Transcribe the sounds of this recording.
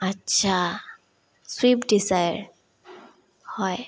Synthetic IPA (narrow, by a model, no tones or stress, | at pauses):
atːʃʰa | swipdizajaɹ | hɔj